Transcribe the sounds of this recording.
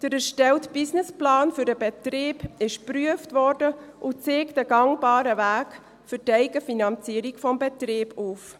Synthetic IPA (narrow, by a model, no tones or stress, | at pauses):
d̥əɾəʃtɛltb̥ɪsnɪsplɑːnfʏɾdəbɛtreːb̥ɪʃpryəftvɔrdəʔʊt͡seːktəɡɑŋbɑːɾəvæːk | fʏɾtɛɪɡəfinɑnt͡siəɾikfɔmbɛtreːbuːf